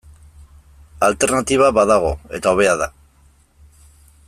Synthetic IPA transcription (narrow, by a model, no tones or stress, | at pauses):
alt̪e̞ɾnat̪iβ̞aβaðaɣ̞o̞e̞t̪ao̞β̞e̞aða